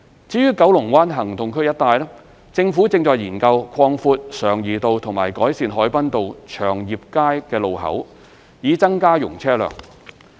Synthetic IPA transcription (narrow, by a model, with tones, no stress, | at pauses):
t͡siː˨˧˥jyː˥kɐ˨˥wlʊ˨˩ŋwaː˥nɦɐ˨˩ŋt̪ʊ˨ŋkʰɵ˥jɐ˥t̚t̪aː˧jlɛː˥ | t͡sɪ˧ŋfuː˨˥t͡sɪ˧ŋt͡sɔː˨˧jiː˨˩nkɐ˧wkʰwɔː˧ŋfuː˧t̚sœː˨˩ŋjiː˨t̪o˨wt̪ʰʊ˨˩ŋma̰ː˨˩jkɔː˨˥jsiː˧nɦɔː˨˥jpɐ˥nt̪o˨wt͡ʃʰœː˨˩ŋjiː˨p̚kaː˥jkɛː˧lo˨wɦɐ̰˨˥w | jiː˨˥t͡sɐ˥ŋkaː˥jʊ˨˩ŋt͡sʰɛː˥lœ̰ː˨˩ŋ